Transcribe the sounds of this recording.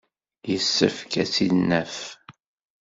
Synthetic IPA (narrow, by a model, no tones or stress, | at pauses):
jəsːə̰fkæsinːəf